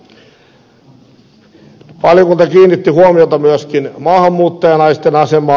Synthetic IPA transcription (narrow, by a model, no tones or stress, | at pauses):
pɑlikult̪ɑkiːnːit̪ːihuomiot̪ɑmyæskinmɑːhɑmːuːt̪ːɑjɑnɑist̪enɑsemˑɑː